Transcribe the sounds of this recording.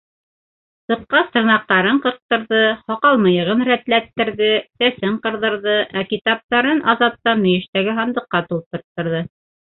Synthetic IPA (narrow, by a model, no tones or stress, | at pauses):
sɤ̆qqːɑst̪ɤ̆ɾnɑq̚t̪ɑɾɤɴqɤ̆ɾq̚t̪ɤ̆ɾðɤhɑqɑlˠmɤ̆jɤ̆ʁɤnɾæt̪læt̪ːɘ̆ɾðɘsæsɘɴqɤ̆ɾðɤ̆ɾðɤʔækit̪ɑp̚t̪ɑɾɤnʔɑzɑp̚t̪ːɑnmɵ̆jɘ̆ʃt̪æɡɘɦɑnd̪ɤ̆qːɑt̪ulˠt̪ɤ̆ɾt̪ːɤ̆ɾðɤ